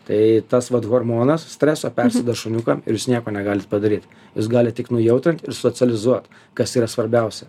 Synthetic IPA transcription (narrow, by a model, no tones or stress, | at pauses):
t̪ɐɪt̪ɐsʋɐt̪ɣoːrmoːnɐssʲt̪ʲɾʲæːsoːpʲɛɾʲsʲɛd̪oːʃʊnʲukɐɪ̰ɾjuːsnʲiɛkoːnʲɛɡɑːlʲɪt̪pɐd̪ɐɾʲiːt̪ | jus̬ɡɑːlʲɪt̚t̪ʲɪknʊjɛʊt̪ɾʲɪnt̪ɪɾsoːsʲɛlʲɪzuɔt̪ | kɐsiːɾɐsʋɐɾʲbʲɛˑʊsʲɛ